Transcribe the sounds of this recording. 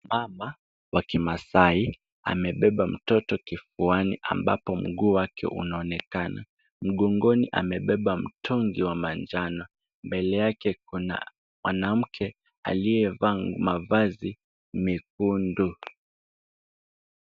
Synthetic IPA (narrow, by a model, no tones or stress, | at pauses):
mama | wakimasai | a̰mɛɓɛɓam̩tɔtɔkifuanḭʔa̰mba̰pɔm̩ɠuːwakʰɛ̰ʔṵnaɔnɛkana̰ | m̩ɠɔŋɡɔniʔa̰mɛɓɛɓam̩tʰɔŋɡiwamand͡ʒanɔ | mbɛlɛjakɛkuna̰ | mwanam̩kʰɛ | a̰lijɛvaŋmavazi | mik̚undu